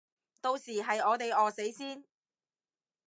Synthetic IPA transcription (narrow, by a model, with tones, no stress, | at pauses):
t̪o˧wsiː˨˩ɦɐ˨jɔː˨˧t̪e˨jɔː˨se˨˥jsiː˥n